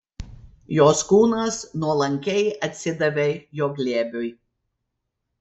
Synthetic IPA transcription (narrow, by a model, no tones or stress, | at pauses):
joːskuːnɐsnuɔlˠɐŋʲkʲɛɪɐt̪ʲsʲɪd̪ɐʋʲejoːɡlʲeːbʲoj